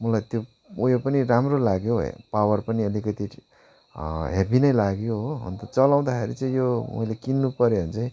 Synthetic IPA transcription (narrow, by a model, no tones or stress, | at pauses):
mʌlajt̪jo | ujopʌniɾamrolaɡjo̰pawʌrpʌniʌlikʌt̪i | ɦebinʌjlaɡjoɦɦʌ̰nt̪ʌt͡sʌlaw̃d̪akʰeɾit͡sʌĩjomʌ̰jlekinːupʌɾjoɦʌnt͡saĩ